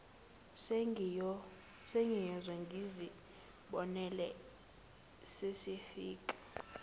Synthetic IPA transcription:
s | seŋijɔzɛŋɡʱizi | ɓɔnɛlɛ | sesifiːkʼḁ

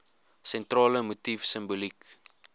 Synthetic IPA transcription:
sɛntrɑːləmutifsəmbulik

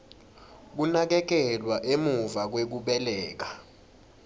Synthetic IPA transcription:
k̬unak̬ɛk̬ɛlwaʔemuvak̬wek̬uɓɛlɛːk̬a

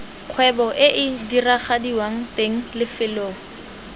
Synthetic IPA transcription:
q͡χʰwɛbɔʔɪʔɪdiraχadiwaŋ̩teŋ̩lɪfɪloːŋ̩

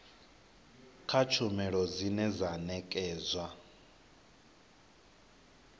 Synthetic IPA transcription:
kʰat͡ʃʰumɛɺɔd͡zinɛzanɛkʼɛːzwa

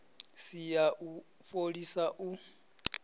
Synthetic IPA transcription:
sijaʔu | foɺisaʔu

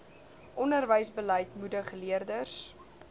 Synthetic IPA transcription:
ʔɔndərvəjsbələjtmudəχəliərdərs

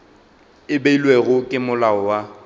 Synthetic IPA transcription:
ɪbeilweɣʊkʼɪmʊlaɔwa

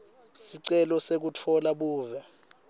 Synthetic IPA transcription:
siǀɛlɔsek̬utʰɔlaɓuːvɛ

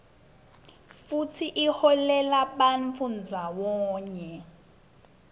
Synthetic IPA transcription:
futʰiʔihɔlɛlaɓanfund͡zʱawɔːɲɛ

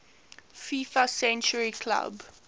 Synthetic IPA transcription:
fifasɛ̃nt͡ʃəɹikʰla̰b

